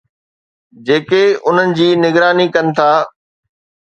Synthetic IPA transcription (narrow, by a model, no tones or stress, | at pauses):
d͡ʑeːkeʊn̤ənɪ̆d͡ʑiːnɪɡɾaːnikɐnɪ̆t̪ʰaː